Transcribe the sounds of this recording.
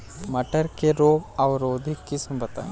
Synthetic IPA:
mɐʈəɾkeɾoːɡɐʋɾoːd̪ʱikːɪsmbɐt̪ã̰ː

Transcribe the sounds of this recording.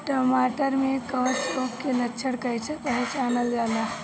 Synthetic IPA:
ʈɔːmaːʈəɾmẽkɔːt͡ʃokkelɐtːʃʰəɽkɐjt͡ʃʰek̪əɦɛt͡ʃaːnəld͡ʒaːla

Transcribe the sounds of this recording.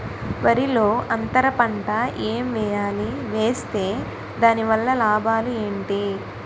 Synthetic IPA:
ʋɐɾilo̞ːʔɐnt̪ɐɾɐpɐɳʈɐʔeːmʋɛːjaːliʋe̞ːst̪e̞ː | d̪aːniʋɐlːɐlaːbaːlue̞ːɳʈi

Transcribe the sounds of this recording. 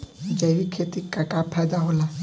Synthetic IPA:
d͡ʒajʋikʰet̪ikːakapʰajd̪aɦola

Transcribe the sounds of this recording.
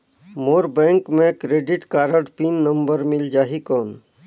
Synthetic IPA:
moːɾbɛ̃ːŋkmẽkɾeːɖɪʈkaːɾəʈpiːnːə̃mbəɾmɪld͡ʒaːɦikɔːn

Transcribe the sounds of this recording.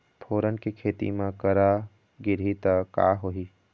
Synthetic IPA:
pʰoːɾənkikʰeːt̪ḭmãkəɾa | ɡɪɾit̪aka̰ːɦoɦi

